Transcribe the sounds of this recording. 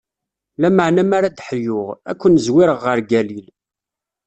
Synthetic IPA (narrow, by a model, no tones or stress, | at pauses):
læməʕnæmaɾad̪ħjʊʁæ̰kʷːənzwiɾəʁːəɾɡælil